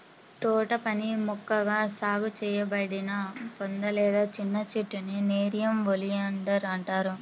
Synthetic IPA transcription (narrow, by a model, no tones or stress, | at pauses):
t̪ɔːʈɐpɐnimɔkːɐɡaːsaːɡut͡ʃɛːjɐbɐɽinɐpond̪ɐlɛːd̪aːt͡ʃinːɐt͡ʃeʈːunineːɾijɐmʋolijɐɳɖɐɾɐɳʈaːɾu